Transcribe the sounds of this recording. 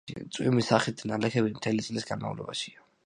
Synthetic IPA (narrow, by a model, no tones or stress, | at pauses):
ḭt̪sʼwḭmisaχit̪̚d̪nalɛkʰɛbimt̪ʰɛlit̪sʼlisɡanma̰vlɔ̰baʃia